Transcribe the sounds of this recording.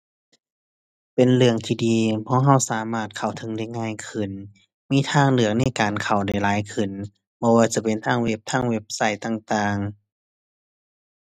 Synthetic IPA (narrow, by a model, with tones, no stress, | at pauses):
pe˨nlɯ˧əŋt̪ʰiː˧˩diː˧pʰɔː˧˥˦ɦa˧˩wsaː˨˦maː˧˩t̪̚kʰa˨˩wt̪ʰɤ˧˦ŋda˧˩jŋaː˧˥˨jkʰɯ˧˩n | miː˧˥˨t̪ʰaː˧˥˨ŋlɯ˧˩ək̚na˧˥˩jkaː˨nkʰa˨˩wda˧˩jlaː˨˦jkʰɯ˧˩n | bɔː˧waː˧t͡ɕa˧˦pe˨nt̪ʰaː˧˩ŋwe˧˩p̚t̪ʰaː˧˥˩ŋwe˧˥p̚sa˧˩jt̪a˧˩ŋt̪aː˧˩ŋ